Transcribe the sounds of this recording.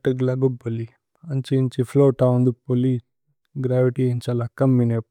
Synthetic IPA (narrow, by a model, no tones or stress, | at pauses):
ʈɐɡlɐɡubɐli | ɐnt͡ʃint͡ʃifʰloːʈawnd̪upolis | ɡɾaːʋiʈient͡ʃɐlakɐmːinep